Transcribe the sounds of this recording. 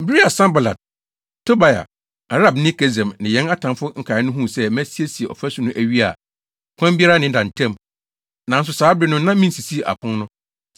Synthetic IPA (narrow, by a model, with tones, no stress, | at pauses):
m̩˨bi˦ɾi˦a˨sã˦mba˨la̰˨d̚ | tʰo˦ba˨ja̰˨ | a˨ɾa˦˨bnɪ̃˦kʰɛ˦zɛ̃˨mnɪ̃˨jɛ̃˨˦na˦tʰã˨mfʊ˦ŋ̩˨kʰa˨ɪ˦nʊ̃˦ɦũ˦˨sɛ˦mæ̃˦si˦e˦si˨e˨ɔ̰˨fæ˦sʊ˨nʊ̃˦ʔæ˦ɥi˦a̰˨ | kʰʷã˦m˦bi˦a˦ɾa˦nɪ̃˦n̩˦dã˨n̩˨tʰɛ̃˦˨m | nã˨n̩˦s̬ʊ˨saː˨˦bɾɪ˦nʊ̃˦nã˦mĩ˦n̩˦si˨si˦e˨ʔa̰˨pʰʊ̃˦n˦nʊ̃˦